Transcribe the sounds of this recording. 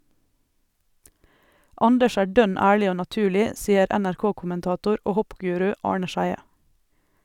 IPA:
ˈɑndəʃ ˈæː ˈɖœn ˈæːɭɪ ˈoː nɑˈtʉːlɪ ˈsiːəɾ ɛnæɾˈkoːkʊmənˌtɑːtʊɾ ˈoː ˈhɔpˌɡʉːɾʉ ˈɑːɳə ˈʃæɪə

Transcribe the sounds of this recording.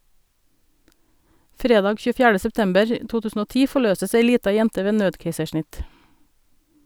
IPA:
ˈfɾeːdɑːɡ çʉːˈfjæːɖə sɛpˈtɛmbəɹ ə ˈtuː ˈtʉːsn̩ ˈoː ˈtiː fɔˈɭøːsəs ˈeɪ ˈliːtɑ ˈjɛntə ˈʋeː ˈnøːdkeɪsəˌʃɳɪt

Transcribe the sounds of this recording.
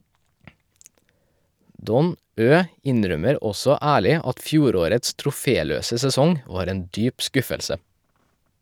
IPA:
ˈdɔn ˈøː ˈɪnˌɾœməɾ ˈɔsɔ ˈæːɭɪ ˈɑt ˈfjuːˌɾoːɾəts tɾʊˈfeːˌløːsə sɛˈsɔŋ ˈʋɑːɾ ˈeːn ˈdyːp ˈskʉfəlsə

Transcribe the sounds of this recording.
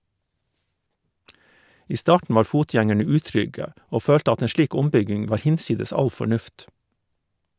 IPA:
ˈiː ˈstɑːʈɳ̩ ˈʋɑːɾ ˈfuːˌtjæŋɛɳə ˈʉːˌtɾʏɡə ˈoː ˈføːlt ˈɑt ˈeːn ˈʃliːk ˈʊmˌbʏɡɪŋ ˈʋɑːɾ ˈhɪnˌsiːdəs ˈɑl fɔˈɳʉft

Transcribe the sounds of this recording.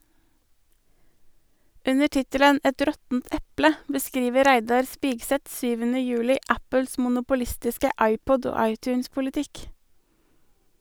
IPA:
ˈʉnə ˈʈɪtələn ˈɛt ˈɾɔtn̩t ˈɛplə bəˈskɾiːʋəɾ ˈɾæɪdɑɾ ˈspɪɡsɛt ˈsyːʋənə ˈjʉːlɪ ˈʔæpəls mʊnʊpʊˈlɪstɪskə ˈʔɑɪˌpɔd ˈoː ˈɑɪtˌçʉːnspʊlɪˌtɪk

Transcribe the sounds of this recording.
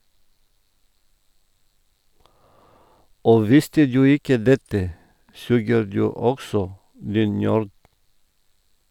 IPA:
ˈoː ˈʋɪstə ˈdʉː ˈɪkə ˈdɛtə ˈsʉːɡəɾ ˈdʉː ˈɔɡsɔ ˈdiːn ˈnøːɾd

